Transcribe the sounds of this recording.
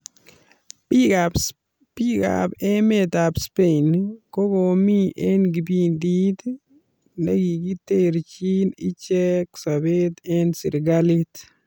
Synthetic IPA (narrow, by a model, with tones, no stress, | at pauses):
iap | pi˦ka̰pe˦me˨t̪a˨pspenko˦ɡo˨mi˦ʔe˦nɡi˨bi˦nd̪i˦t̪ | ne˦ɡi˨ɡi˦t̪e˦ɾt͡ʃi˦ni˦t͡ʃɛ˦ksabe˦t̪ɛ˦nsḭ˨ɾɡali˦t̪